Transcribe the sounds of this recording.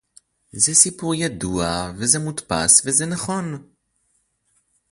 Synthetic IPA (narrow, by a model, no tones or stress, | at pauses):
zesipuʁjaduavezemut̪pa̰svezenaχo̞n